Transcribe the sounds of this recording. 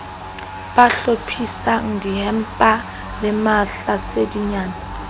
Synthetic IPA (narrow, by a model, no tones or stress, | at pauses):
b̥aɬopʰisaŋ̩dihɛm̩pʼa | lɪmaɬasediɲaːna